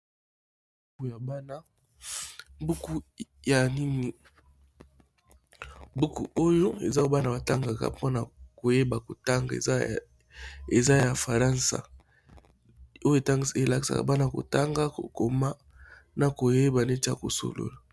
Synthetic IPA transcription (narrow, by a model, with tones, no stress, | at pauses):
bu˦ku˨ja˨ba˦na˦ | bu˦ku˦ja˨ni˦ni˨ | bu˦kṵ˨o˦jo˦ḛ˨za˦o˦ba˦na˨ba˨ta˦ŋɡa˨ka̰˨po˦na˨ko˨je˦ba˨ko˨ta˦ŋɡa˨ḛ˨˦ | e˨za˦ja˨fa˨ʁa˦nsa̰˨ | o˦jo˦e˨ta˦ŋɡi˨se˨la˦ki˨sa̰˨ka̰˨ba˦na˦˨ko̰˨ta˦ŋɡa˦o̰˨ko˨ma˦ | na˨ko˨je˦ba˨ne˦ti˦a̰˨ko̰˨so̰˨lo̰˨la˨